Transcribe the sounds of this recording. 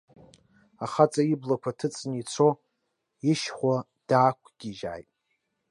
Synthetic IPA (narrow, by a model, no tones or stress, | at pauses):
aχat͡sʼaiblakʷʰatʰɨt͡sʼnit͡sʰo | iʃχʷa | d̥aːkʷʰɡ̥ʲiʒa̰ːjtʼ